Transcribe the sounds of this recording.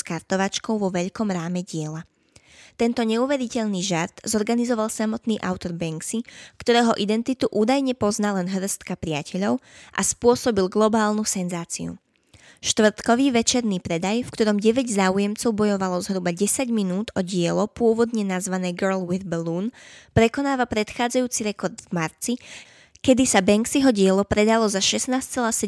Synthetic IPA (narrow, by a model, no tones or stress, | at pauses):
skaɾt̪ɔʋat͡ʃkɔʊʋɔʋɛʎkɔmɾaːmɛɟɪɛla | t̪ɛnt̪ɔɲɛuʋɛɾicɛʎniːʒaɾt̪zɔɾɡanizɔʋalˠsamɔt̪niːʔa̰ʊt̪ɔɾbɛŋksikt̪ɔɾɛːɦɔʔid̪ɛnt̪it̪uʔuːd̪ajɲɛpɔznalɛnɦr̩st̪kapɾɪacʰɛʎɔʊʔa̰spʊɔsɔbilɡlɔbaːlnusɛnzaːt͡sḭṵ | ʃt̪ʋr̩t̪kɔʋiːʋɛt͡ʃɛɾnipɾɛd̪ajfkt̪ɔɾɔmɟɛʋɛɟzaːujɛmt͡sɔʊbɔjɔʋalɔzɦɾubaɟɛsaɟminuːd̪ɔɟɪɛlɔpʊɔʋɔd̪ɲɛnazʋanɛːɡəɾlwiðbɛluːnpɾɛkɔnaːʋapɾɛt̪xaːd͡zajuːt͡siɾɛkɔɾd̪vmaɾt͡si | kɛd̪isabɛŋksiɦɔɟɪɛlɔpɾɛd̪alɔzaʃɛsnaːst͡sɛlaːsɛ